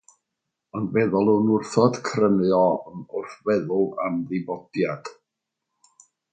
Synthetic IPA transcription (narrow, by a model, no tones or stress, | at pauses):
ɔndvɛðɔlˠunʊrθɔd̥kʰrənjɔnʊrθvɛðʊlˠa̰mðɪbɔd̥jad̥